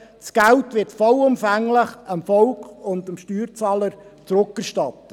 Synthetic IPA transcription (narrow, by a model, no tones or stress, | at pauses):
sɡ̥æltʋɪtfɔlʊmfæŋlɪχɑmfɔlkʰʊndɑmʃtyːɾt͡sɑːləɾt͡sɾʊkɛɾʃtɑtːə